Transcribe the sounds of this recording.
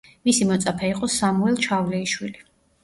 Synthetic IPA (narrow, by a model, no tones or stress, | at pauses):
misimɔt̪sʼapʰɛiqʼɔsamuɛlˠt͡ʃʰavlɛiʃwili